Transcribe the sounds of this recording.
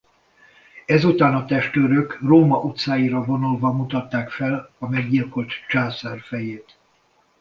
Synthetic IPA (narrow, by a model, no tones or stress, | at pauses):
ɛzut̪aːnɒt̪ɛʃt̪øːɾøkroːmɒʔut̪saːjiɾɒvo̞nulvɒmut̪ɒt̪ːaːkfɛlɒmɛɡɟilko̞lt̪t͡ʃaːsarfɛjeːt̪